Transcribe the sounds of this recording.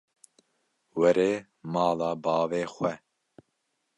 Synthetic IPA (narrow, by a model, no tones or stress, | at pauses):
wɛɾeː | mɑːlɑːbɑːveːxʷɛ